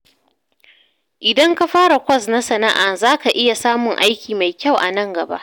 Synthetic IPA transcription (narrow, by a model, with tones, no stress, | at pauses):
ʔɪ˨dɐ˦ŋka˦ɸaː˦ɽa˨kʷɐ˦sna˦sɐ˨na˦ʔaː˨zaː˦ka˨ʔɪ˦ja˨saː˦mʊ˨ŋʔa˦jkʲiː˨ma˨jkʲa˦˨wʔa̰˨nɐ˦ŋɡɐ˨ba̰˦ʔ